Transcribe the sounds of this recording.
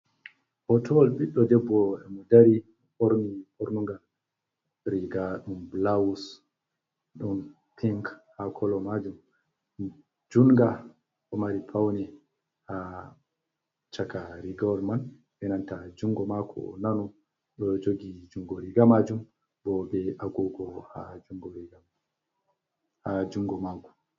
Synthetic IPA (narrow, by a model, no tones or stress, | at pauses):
hɔtʰɔlɓiɗɔdɛbːɔɛmɔdaɾi | ɔʔoɾniʔoɾnuŋɡal | ɾiɡaɗumblawus | ɗun | pʰiŋkhakʰɔlɔmad͡ʒum | d͡ʒunɡa | ʔɔmaɾipʰawnɛ | ha | t͡ʃakaɾiɡɔɾman | ʔɛnantad͡ʒuŋɡɔmakʰɔ̰nanɔ | ɗɔd͡ʒoɡid͡ʒuŋɡɔɾiɡamad͡ʒum | bɔbɛaɡɔɡɔhad͡ʒuŋɡɔɾiɡa | had͡ʒuŋɡɔmaɡɔ